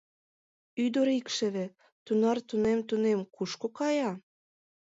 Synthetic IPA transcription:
yd̪oɾikʃɘ̆βĕ | t̪unɑrt̪unemt̪unemkuʃkokɑjɑ

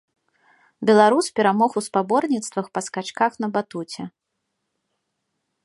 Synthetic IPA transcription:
bʲɛlˠaɾuspʲɛɾamɔxuspabɔrnʲit̪st̪vɐxpɐskat͡ʂkaxn̪ɐbat̪ut͡sʲɛ

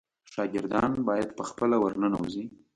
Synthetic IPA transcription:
ʃɑɡɪɾd̪ɑnbɑjad̪pəxpəlawəɾnənawuzi

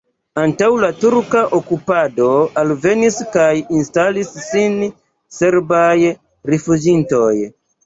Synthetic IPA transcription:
antawlatuɾkaʔokupado̞alve̞niskajinstalisːin | se̞ɾbaj | ɾefud͡ʒinto̞j

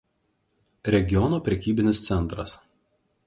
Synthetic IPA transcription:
ɾʲɛɡʲɪɔnoːpʲɾʲɛkʲiːbʲɪnʲɪst̪sʲɛnˑt̪ɾɐs

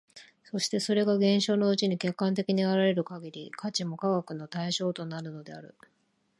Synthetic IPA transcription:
so̞ɕi̥t̪e̞so̞ɾe̞ɡaɡẽ̞ɰ̃ɕo̞ːno̞ɯt͡ɕiɲ̟ikʲe̞kːãnt̪̬e̞kʲiɲ̟iaɾaɾe̞ɾɯ̟kaɡʲiɾʲikʰat͡ɕimo̞kaɡakɯ̟no̞t̪aiɕo̞ːt̪o̞naɾɯ̟no̞d̪e̞aɾɯ̟̰

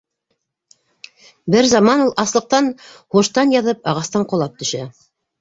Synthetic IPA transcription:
bɘɾzɑmɑnulˠʔɑslˠɤ̆q̚t̪ɑnhuʃt̪ɑnjɑðɤp̚ɑʁɑst̪ɑɴqŏlˠɑp̚t̪ɵ̆ʃæ

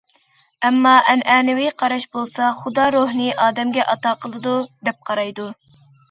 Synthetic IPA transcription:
ɛmːɑʔɛnʔɛːnɪwɪqʰɑɾɑʃbolˠsɑχud̪ɑɾoɦnɨʔɑːd̪ɛmɡʲɛʔɑt̪ɑːqʰəlˠɨd̪ud̪ɛp̚qʰɑɾɑjd̪u

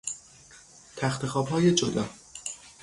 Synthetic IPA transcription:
t̪ʰæxt̪ʰe̞xɒːbɦɒːje̞d͡ʒod̪ɒ̰ː

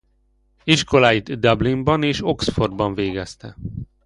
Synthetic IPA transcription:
iʃko̞laːjid̪d̪ɒblimbɒneːʃo̞ksforbɒɱveːɡɛst̪ɛ

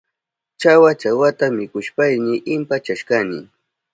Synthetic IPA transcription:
t͡ʃawat͡ʃawat̪amɪkʊʃpajnɪʔɪmpat͡ʃaʃkanɪ̰

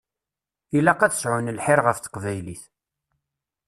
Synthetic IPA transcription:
ilæqæθə̥sʕʊnəlħɪɾʁəfθə̥qvæjliθ

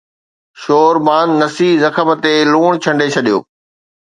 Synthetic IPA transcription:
ʃoːɾbaːnːɐsiːzɐxəmət̪eluːɽ̃t͡ɕʰɐ̃ɳɖet͡ɕʰɐɗijo̰ː

